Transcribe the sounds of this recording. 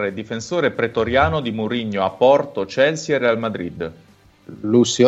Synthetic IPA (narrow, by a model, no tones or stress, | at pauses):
ed̪ifensoːɾepɾet̪oɾjaːnod̪imuɾiɲːoapːɔrt̪ot͡ʃɛlsierealmad̪ɾid̪ | lusjo